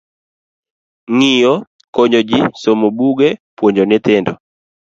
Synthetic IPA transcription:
ŋijo | koɲod͡ʒisomobuɡepwoɲd͡ʒonɪt̪ɪndɔ

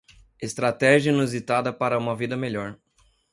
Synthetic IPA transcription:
est̪ɾat̪ɛʒjɐnuzit̪ad̪ɐpaɾɐũmɐvid̪ɐmeʎɔɾ

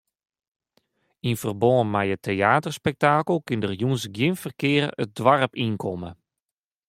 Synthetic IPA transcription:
infərbɔːnmɛjətʰeaːtərspɛk̚taːkəlˠkɪndərjunsɡjɪnfərkɪːrəət̚dwarəpinkʰɔmə

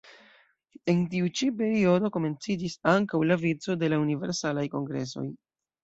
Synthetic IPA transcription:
e̞nt̬iut͡ʃipe̞ɾio̞do̞ko̞me̞nt͡sid͡ʒisaŋkawlavit͡so̞de̞launive̞̰ɾsalajko̞ŋɡɾe̞̰so̞̰j

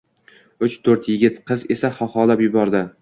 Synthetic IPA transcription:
ʊt͡ʃt̪ʰɵɾt̪jɪɡʲɪt̪qʰɨze̞saχɒχɒlapjʊbɒɾd̪ɪ

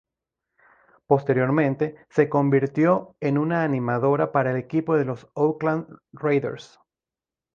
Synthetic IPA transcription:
po̞st̪e̞ɾjoɾmẽ̞nt̪e̞se̞ko̞mbiɾt̪jo̞enunaːnimaðo̞ɾapaɾaele̞kipo̞ðe̞lo̞sowklanrejðḛɾs

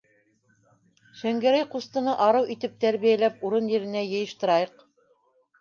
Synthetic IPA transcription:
ʃæŋɡæɾæjqust̪ɤ̆nɤʔɑɾɤwʔit̪ɘp̚t̪æɾβijælæp̚uɾɤnjɘ̆ɾɘ̆næjɤ̆jɤ̆ʃt̪ɤ̆ɾɑjɤq

